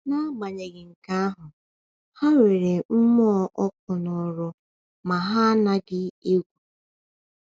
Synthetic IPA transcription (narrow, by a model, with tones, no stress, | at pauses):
na˦ba˨ɲe˨ɡɪ˨ŋ̩˨ka˦a˦ɦʊ˨ | ha˦we˨ɾe˨m̩˦m˦ɔ˦ʔɔ˦kʊ˨nɔ˨ɾʊ˦ | ma˨ɦa˦na˦ɡɪ˦e˦ɡʷu˨